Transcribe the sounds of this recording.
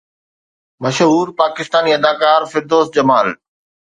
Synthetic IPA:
mɐʃɦuːɾpaːkɪst̪aːniːɐd̪aːkaːɾfɪɾd̪oːsd͡ʑɐmaːl

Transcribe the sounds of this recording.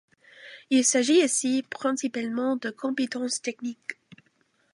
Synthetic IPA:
ilsaʒiosipχɛ̃sipalmɑ̃d̪əkʰɔ̃pet̪ɑ̃st̪ɛknik

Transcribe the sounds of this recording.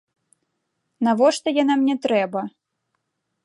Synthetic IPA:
navɔʂt̪ɔjanamnʲɛt̪ɾɛbɐ

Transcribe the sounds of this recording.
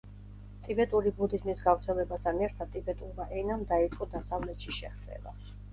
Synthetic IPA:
t̪ʼibɛt̪ʼuɾibud̪izmisɡavɾt̪sʰɛlɛbast̪ʰanɛɾt̪ʰad̪̚t̪ʼibɛt̪ʼuɾmaʔɛnamd̪ait̪sʼqʼɔd̪asavlɛt̪ʃiʃɛ̰χd̪sʼɛ̰la̰

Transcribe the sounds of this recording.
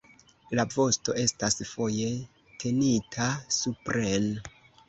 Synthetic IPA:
lavo̞sto̞ʔe̞stasfo̞je̞ | tʰe̞nitʰasupɾen

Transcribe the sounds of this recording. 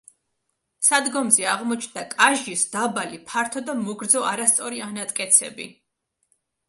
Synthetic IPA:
sad̪ɡɔmzɛaʁmɔt͡ʃʰnd̪akʼaʒisd̪̥abalipʰaɾt̪ʰɔd̪amɔɡɾd̪zɔʔaɾast̪sʼɔɾianat̪ʼkʼɛt̪sʰɛ̰bḭ

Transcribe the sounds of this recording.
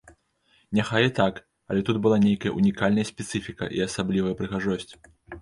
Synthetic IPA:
nʲaxajɛt̪ak | ɐ̰lʲɛt̪ud̪̚bɨlˠanʲejkɐjɐ̰ʔunʲikalʲnɐjɐsʲpʲɛt̪sɨfʲikɐ̰ʔḭɐsablʲivɐjɐpɾɨɣaʐɔsʲt͡sʲ

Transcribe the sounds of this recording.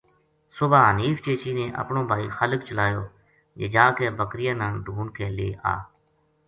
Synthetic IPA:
sʊbʱaːɦəniːft͡ʃeːt͡ʃiːnẽːʔə̰pɳõːbʱaːiːxələk̚t͡ʃəlaːjoː | d͡ʒḛːd͡ʒaːkeːbəkɾɪjãːnãːɖʱuːnkʰeːleːa̰ː

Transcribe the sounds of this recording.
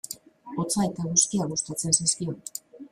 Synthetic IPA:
o̞t͡sae̞t̪aɣusk̪iaɣust̪at͡se̞nsiskio̞n

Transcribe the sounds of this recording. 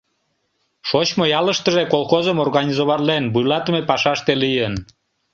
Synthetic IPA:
ʃot͡ɕmojɑləʃt̪əʒekolˠxozəmorɣɑnʲizoβɑrlenbujlɑt̪əmepɑʃɑʃt̪elijən

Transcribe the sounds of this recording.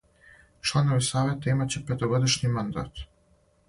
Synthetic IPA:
t͡ʃlˠanovisaːʋɛt̪aimat͡ɕɛpɛt̪oɡod̪iʃnʲimand̪a̰t̪

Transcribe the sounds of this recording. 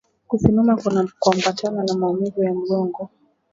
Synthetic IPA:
kusimamakkuambat͡ʃananamaumizɔjam̩ɠɔŋɡɔ

